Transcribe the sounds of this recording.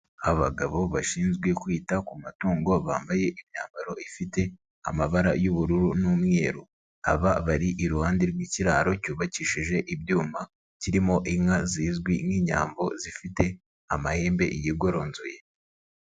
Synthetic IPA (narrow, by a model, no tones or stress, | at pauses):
aβa̰ɡaβo̞βaʃiːnzɡwekwiːtakumatuːŋɡo̞βa̰ːmbaje̞ʔimɲaːmbaɾo̞ifite̞ | a̰maβaɾajuβuɾuɾunumŋe̞ːɾu | aβaβaɾiʔiɾuhaːndiɾɡwiːciɾaːɾo̞cuːβaciʃiʒe̞ʔibjuːma | ciɾimo̞ʔimŋaziːzɡwiniːɲa̰ːmbo̞zifite̞ | a̰mahe̞ːmbe̞̰ʔijiɡo̞ɾo̞ːnzuje